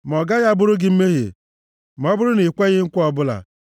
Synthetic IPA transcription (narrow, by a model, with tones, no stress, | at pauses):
m˨ɔ˨ɡa˦ɣa˦bʊ˦ɾʊ˦ɡɪ˦m̩˦me˦ɦḛ˨ | m̩˨ɔ˦bʊ˦ɾʊ˦ni˨kʷe˦ɣɪ˦ŋ̩˦kʷʊ˦ɔ˦bʊ˦la̰˨